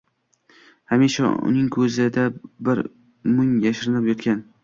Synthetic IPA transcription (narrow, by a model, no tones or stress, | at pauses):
hamiʃa̰ʊ̰nɪŋkʰɵzɪd̪abɪɾ | mʊŋjaʃɪɾnɪpjɒt̪kʲan